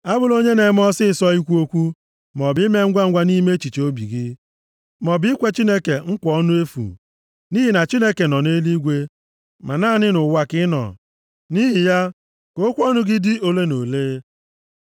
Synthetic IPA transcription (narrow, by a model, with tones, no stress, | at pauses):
a˦bʊ˨lo˦ɲe˦ne˨˦m˦ɔ˦sɪ˦˨sɔ˦i˦kʷu˦o˦kʷu˦ | mɔ˨bɪ˦me˦ŋ̩˦ɡʷa˦ŋ̩˦ɡʷa˦ni˦me˦t͡ʃi˨t͡ʃo˦bi˨ɡɪ˦ | mɔ˨bɪ˦kʷe˦t͡ʃi˦ne˦ke˨ŋ̩˦kʷɔ˨˦nʊ˦e˦fṵ˨ | ni˦ɦi˨na˨t͡ʃi˦ne˦ke˨nɔ˨ne˦li˦ɡʷe˦ | ma˨naː˦˨nɪ˦nʊ˨wa˨kɪ˦nɔ̰˨ | ni˦ɦi˨ja˦ | ko˦kʷɔ˦nʊ˦ɡɪ˦dɪ˦o˨le˦no˨leː˦